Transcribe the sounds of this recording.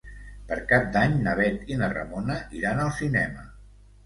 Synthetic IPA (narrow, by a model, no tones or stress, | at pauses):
pəɾkap̚d̪aɲnəβɛt̪inərə̰monəʔiɾanəlˠsinɛmə̰